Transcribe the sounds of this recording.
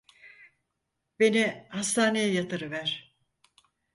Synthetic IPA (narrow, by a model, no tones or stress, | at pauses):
be̞nihast̪ʰaːnejɛjat̪ɯɾɯvæɾ̥